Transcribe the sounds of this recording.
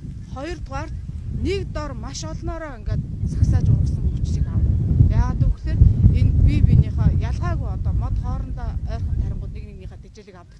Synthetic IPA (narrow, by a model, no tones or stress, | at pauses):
χɔjɞ̆rt̪ʁaːr̥t̪nekt̪ɔrmaʃɔɮnɔːɾɔːæŋɡat̪̚saksaːt͡ɕʊə̆rsə̆ŋpu̥t͡ɕɮiːkawəjaːʁaːt̪ʰuɣuxseːrenpʲipiniːχɔːjaɮʁaːɣujɔt̪ɔːmɔt̪χɔːɾə̆nt̪aœːrχə̆nt̪ʰːæɾʲɪ̆mɢʊ̆ːt̪neknikniːχaːt̪et͡ɕĕːɮĭkaw̥t̪ə̆k